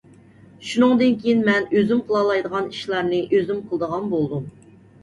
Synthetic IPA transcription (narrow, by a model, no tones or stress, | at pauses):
ʃunɨŋd̪ɨnkʲʰejinmɛnøzymqʰəlˠɑlˠɑjd̪əʁɑniʃlˠɑɾnɨʔøzymqʰəlˠd̪əʁɑnbolˠd̪um